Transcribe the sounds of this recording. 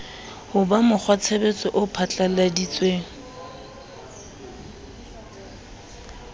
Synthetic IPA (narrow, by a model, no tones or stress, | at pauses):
hʊbamʊk͡xʰwat͡sʰebet͡sʼɔʔʊpʰat͡ɬʼaladit͡sʼweːŋ̩